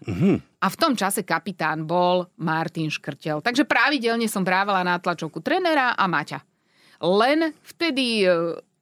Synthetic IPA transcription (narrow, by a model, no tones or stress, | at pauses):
ɦ̩ʔaft̪ɔmt͡ʃasɛkapit̪aːnbɔlmaɾt̪inʃkr̩cɛlt̪aɡʒɛpɾaʋiɟɛlɲɛsɔmbɾaːʋalanat̪lat͡ʃɔʊkut̪ɾɛːnɛɾaʔamaca̰ | lɛnft̪ɛd̪i